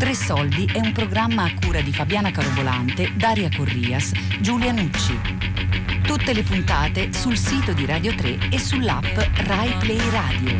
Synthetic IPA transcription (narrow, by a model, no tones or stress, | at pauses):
t̪ɾesːɔld̪iʔɛumpɾoɡɾamːaːkːuːɾad̪ifabjaːnakaɾobola̰nt̪ed̪aːɾjakorːiːasd͡ʒuljanut͡ʃːi | t̪ut̪ːelepunt̪aːt̪esulsiːt̪od̪iɾad̪jot̪ɾeesːulːapːrajplɛjraːd̪jo